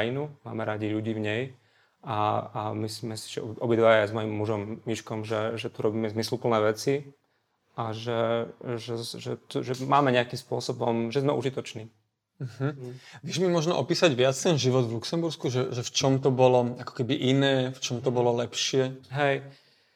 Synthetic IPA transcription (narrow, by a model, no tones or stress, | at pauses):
jinuma̰ːmɛɾaɟiʎuɟiːvɲɛj | aamisimɛsi̥ʒɛ̰ɔbʔɔbid̪ʋajazmɔjimːuʒɔmːiʃkɔmʒɛʒɛt̪uɾɔbiːmɛzmislupl̩nɛːʋɛt͡si | aʒɛʒɛʒɛt̪uʒɛmaːmɛɲɛakiːmspʊɔsɔbɔmʒɛzmɛʔuʒit̪ɔt͡ʃniː | ɦ̩ʋɪɛʒmimʊɔʒnɔ̰ʔɔpiːsaɟʋɪat͡st̪ɛnʒiʋɔd̪vluksɛmbuɾskuʒɛʒɛft͡ʃɔmt̪ɔbɔlɔakɔ̥kɛbiʔinɛːft͡ʃɔmt̪ɔbɔlɔlɛpʃɪɛɦɛj